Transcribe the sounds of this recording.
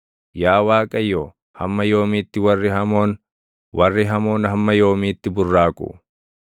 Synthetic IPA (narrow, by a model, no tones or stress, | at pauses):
jaːwaːkʼɐjːoː | hɐ̰mːɐjoːmiːt̪ːɪwɐrːɪɦɐmo̞ːn | wʔɐrːɪɦɐmo̞ːnhɐmːɐjo̞ːmiːt̪ːɪbʊrːaːkʼʊ̰